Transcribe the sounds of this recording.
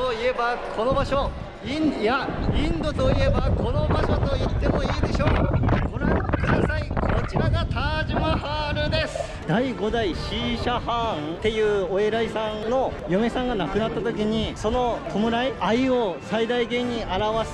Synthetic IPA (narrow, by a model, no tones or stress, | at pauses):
oie̞bakʰo̞no̞baɕo̞ | injaĩnd̪o̞t̪o̞ie̞bako̞no̞baɕo̞t̪o̞it̪ːe̞mo̞iːd̪e̞ɕo̞ːkoɾat̪kɯ̟d̪asaikʰo̞t͡ɕiɾaɡat̪aʑimahaɾɯ̟d̪e̞sɨ̥ | d̪̥aiɡo̞d̪aiɕiɕahãt̪e̞jɯ̟ːoe̞ɾaisãnno̞jome̞sãŋɡanakɯ̟nat̪ːat̪o̞kʲiɲ̟iso̞no̞kʰo̞mɯ̟ɾaiaio̞said̪aiɡẽ̞ɲ̟ːiaɾaβas